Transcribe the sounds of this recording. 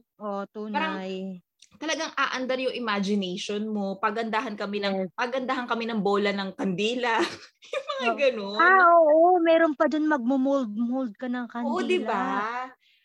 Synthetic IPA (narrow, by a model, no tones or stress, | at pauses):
ʔot̪uaɾɐŋj | t̪ɐlɐɡaŋʔaːʔand̪ɐɾjʊŋʔɪmad͡ʒɪnɛjʃonmo̞pɐɡɐnd̪aɦɐnkɐmɛnɐŋpɐɡɐnd̪aːhɐŋkɐmɛnɐŋboːlɐnɐŋkɐnd̪ɛːlɐ | jjʊŋmɐŋaɡɐnoaʔoːʔomɛːɾonpɐd͡ʒonmɐɡ̚mʊmold̪̚mold̪̚kɐnɐŋkɐʔod̪ɪba